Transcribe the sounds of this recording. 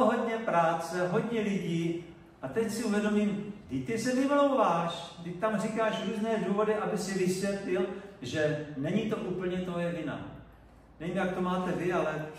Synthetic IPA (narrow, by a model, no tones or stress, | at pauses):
ɦo̞dɲɛpɾaːt͡sɛɦo̞ɟɲɛlɪɟiː | ʔat̪ɛcsɪuvjɛdo̞miːmɡdɪct̪ɪsɛvɪvolowvaːʃɡdɪct̪amrikaːʃɾuːznɛːduːvo̞dɪʔabɪsɪvɪsvjɛt̪lɪlʒɛnɛɲit̪o̞ʔuːpl̩ɲɛt̪oɦjɛɟɪna̰ | nɛviːmjak̚t̪o̞maːt̪ɛvɪalɛ